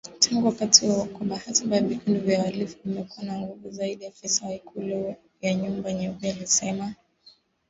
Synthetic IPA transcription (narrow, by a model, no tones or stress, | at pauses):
tʰaŋɡuwakatiwawakɔbahatabavikunduvjawalifuvimɛkuwanaŋɡuvuzaiɗijafɛsawaikʰulɔ | jaɲumbaɲɛbialisɛma